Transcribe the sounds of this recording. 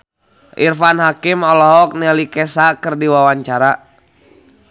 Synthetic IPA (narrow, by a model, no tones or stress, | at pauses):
ʔirfanɦakimɔlɔɦɔk̚nɛlikɛsakɨrdiwawaɲt͡ʃaɾa